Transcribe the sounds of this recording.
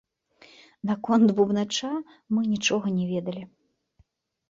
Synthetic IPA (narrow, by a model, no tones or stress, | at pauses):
nakɔnt̪bubnat͡ʂa | mɨnʲit͡ʂɔɣɐnʲɛvʲɛd̪ɐlʲi